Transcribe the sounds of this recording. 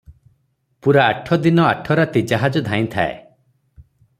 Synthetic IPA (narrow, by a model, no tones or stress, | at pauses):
puɾaːʈʰɔd̪inɔaʈʰɔɾat̪id͡ʒaɦad͡ʒɔd̪ʱãĩt̪ʰaḛ